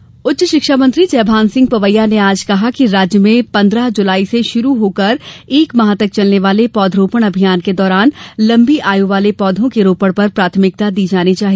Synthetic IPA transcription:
ʊtːʃəʃɪkʃaːmə̃nt̪ɾid͡ʒɛːbʱãːnsɪ̃ŋɡ̚pɐʋəjːaneaːd͡ʒkɐɦakiɾaːd͡ʒjəmẽpɐ̃nd̪ɾəɦd͡ʒʊlaːiseʃʊɾuɦoːkɐɾeːkmɐɦaːt̪ək̚t͡ʃɐlneʋaːlepɔːd̪ʱɾoːpəɽ̃ɐbʱijaːnked̪ɔːɾaːnlɐ̃mbiʔaːjuʋaːlepɔːd̪ʱõkeɾoːpəɽpɐɾpɾaːt̪ʰmɪk̚t̪ad̪iːd͡ʒaːnit͡ʃaːɦi

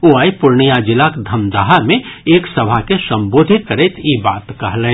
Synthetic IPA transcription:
oːaːipʊɾɳijad͡ʒɪlakd̪ʱɐmd̪aɦamẽeːksɐbʱakesɐ̃mboːd̪ʱɪt̪̚kɐɾeːt̪ibaːt̪kɐɦle

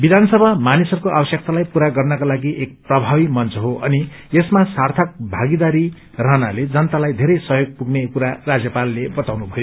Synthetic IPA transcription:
bid̪ʱansʌbʱamanisʌrkoʔa̰bʌsjʌk̚t̪alajpuɾaɡʌrnʌkalaɡiʔek̚prʌbʱabimʌnt͡sʰʌɦoʔʌni | esmasart̪ʰʌk̚bʱaɡid̪aɾi | rʌɦnaled͡zʌnt̪alajd̪ʱeɾʌjsʌɦjoɡ̚puɡnekuɾarad͡zjʌpalːebʌt̪awnubʱʌjo

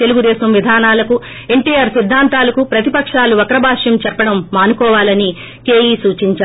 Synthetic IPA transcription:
t̪e̞luɡud̪ɛːsɐmʋid̪ʱaːnaːlɐku | e̞ɳʈiːjaːɾsid̪ʱːaːnt̪aːlɐkupɾɐt̪ipɐkʂaːluʋɐkɐɾɐbʱaːʂjɐmt͡ʃɐɾpɐɽɐmːaːnukɔːʋaːlɐni | keːjiːsuːt͡ʃiɲt͡ʃaː

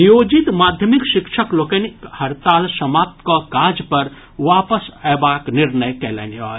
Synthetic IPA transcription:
njoːd͡ʒit̪mad̪ʱjəmikʃikʃʰəklokenikhɐɾt̪aːlsəmaːp̚t̪kɔkad͡ʒpəɾ | ʋapəsɛbakniɾnəjkelɛ̰niɔ̰

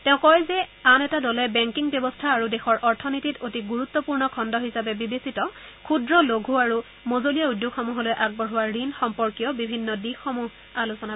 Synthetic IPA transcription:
tɛʊ̃kɔjzɛanɛtadɔlɛbɛŋkiŋbjɔbɔstʰaːɹudɛxɔɹʔɔɹtʰɔnititotiɡuɹut̪ːɔpuɹnɔkʰɔndɔɦisapɛbibesitɔ | kʰudɹɔloɡʱɦuaɹu | mozolijaudjukxɔmuɦɔlojʔaɡ̚bɔɹɦʊwaɹinxɔmpɔɹkijɔbibʱinːɔdikːomuɦ | alusɔna

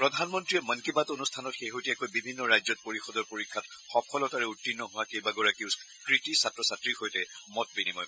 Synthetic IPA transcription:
pɹɔdʱanmɔntɹijɛmənkibatonustʰanɔtxejɦojtiɛkojbibʱinːɔɹajzɔt̚poɹixɔdɔɹpoɹikʰːatxɔpʰɔlɔtaɹɛutːinːɔɦʊwakejbaɡɔɹakiʊs | kɹitisatɹɔsatɹixojtɛmɔt̚binimɔj

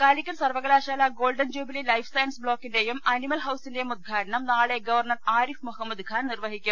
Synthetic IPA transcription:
kaːlikʲːɐnsɐrʋɐɣɐlaːɕaːlaɡo̞ːlɖɐnd͡ʑuːbililɐjfʰsɐjnsbɭo̞ːkːindejumʔɐnimɐlɦɐwsinde̞jumud̪̚ɡʰʱaːʈɐɳɐmnaːɭeɡɐʋɐrɳɐraːɾifmuhɐmːɐd̪ɡʰʱaːnnirʋɐɦikʲːum

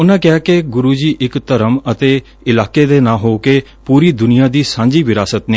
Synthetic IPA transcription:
ʊnãːkɪaːkeɡʊɾuːd͡ʒiːʔɪkt̪əɾəmət̪eː | ɪlaːkeːd̪eːnãːɦoːkeː | puːɾiːd̪ʊnɪjãːd̪iːsãːɲd͡ʒiːʋɪɾaːsət̪neː

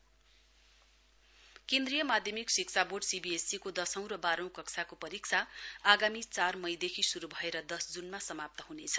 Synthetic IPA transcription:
kẽnd̪rijʌmad̪ʱjʌmiksikt͡sʰaboɖsibiesikod̪ʌsʌ̃w̃ɾʌbaɾʌ̃w̃kʌksʰakopʌɾikt͡sʰaːɡamit͡sarmʌjd̪ekʰisuɾubʱʌeɾʌd̪ʌsd͡zunmasʌmap̚t̪ʌɦunet͡sʰʌ̥

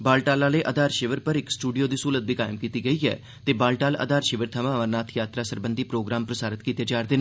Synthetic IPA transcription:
baːlʈaːlaːleːʔəd̪aːɾʃɪʋəɾpəɾɪksʈuːɖijoːd̪iːsuːlət̪̚bʱiːkaːɪmkiːt̪iːɡəiːɛ̰ː | t̪eːbaːlʈaːlə̰d̪aːɾʃɪʋəɾt̪ʰəʋãːʋəɾnaːt̪ʰjaːt̪ɾaːsəɾbənd̪iːpɾoːɡɾaːmpɾəsaːɾət̪kiːt̪eːd͡ʒaːɾd̪ɪnː

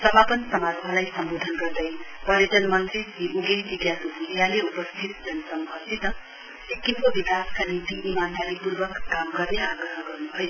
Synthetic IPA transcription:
sʌmapʌnsʌmaɾɦʌlajsʌmbod̪ʱʌnɡʌrd̪ʌjpʌleʈʌnmʌnt̪eiʔuɡeɦb̪iɡjasubʱulijaleupʌst̪ʰit̪̚d͡zʌnsʌmɦʰʌt̪ʰit̪ʌ | sekːimkobikaskanit̪iʔːmand̪alipurbʌkːamɡʌɾneaɡɾʌɦʌɡʌrnuɦʌj

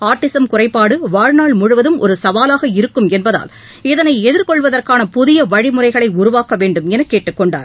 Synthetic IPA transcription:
aːɾʈːɪsɐmkʊrɐɪpːaːɽɯʋaːɻnaːɭmʊɻʊʋɐðɯmʔɔɾɯsɐʋaːlaːɣɐɪɾɯkːɯmɛnbɐða̰ːl | ɛðɐnɐɪɛðɪɾkɔɭʋɐðɐrkaːnɐpʊðɪjɐʋɐɻɪmɯrɐɪɣɐɭɐɪʊɾʊʋaːkɐʋeːɳɖɯmɛnɐkːeːʈːɯkːɔɳɖa̰ːɾ

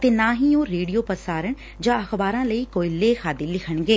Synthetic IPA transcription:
t̪eːnãːɦiːoːɾeːɽiːjoːpəsaːɾəɳ | d͡ʒãːəxbaːɾãːləiːkoːiːleːxʰaːd̪iːlɪkʰəɳɡeː

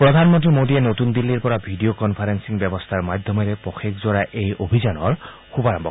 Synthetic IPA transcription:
pɹɔdʱanmɔntɹimodienotund̪ilːiɹpɔɹabʱidiokɔnpʰaɾensiŋbjɛbɔst̪ʰaɹmad̪ʱjɔmeɾɛpɔxekzɔɹaʔejobʱizanɔɹ | kubaɹɔmbʱɔ̰

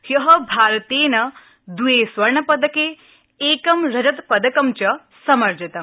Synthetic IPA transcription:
hjɐɦɐbʱaːɾt̪eːnɐ | d̪ujeːsʋɐɾɳɐpɐd̪ɐkeː | eːkɐmɾɐd͡ʒɐt̪pɐd̪ɐkɐmt͡ʃɐ | sɐmɐɾd͡ʒɐt̪ɐm

